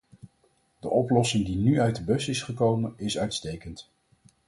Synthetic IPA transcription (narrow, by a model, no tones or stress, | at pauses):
d̥əʔɔplɔsɪŋdinyœɥt̚dəbɵsɪsχəkowmənɪsœɥtstejkənt